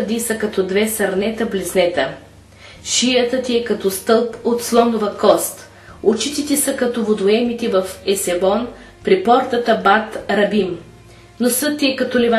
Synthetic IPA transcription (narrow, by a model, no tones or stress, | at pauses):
d̪isəkɐt̪ɔd̪vɛsɐɾnɛt̪əbliznɛt̪ə | ʃijət̪ət̪iɛkɐt̪ɔst̪ɤlˠpot̪slˠɔnovɐkɔst̪ | ot͡ʃit̪it̪ɛsəkɐt̪ɔvod̪oɛmit̪ivɐfɛsɛbɔn | pɾipɔɾt̪ət̪əbat̪ɾɐbim | nosɤt̪ːiɛkɐt̪ɔlɛva